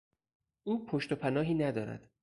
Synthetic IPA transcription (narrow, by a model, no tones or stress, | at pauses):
ʔuːpʰoʃt̪opʰænɒːɦiːnæd̪ɒːɾæ̰d̪̥